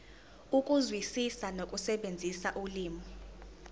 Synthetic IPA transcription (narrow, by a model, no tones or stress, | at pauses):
ukʼuzwisisanokʼusɛɓend͡zʱisaʔuliːmɔ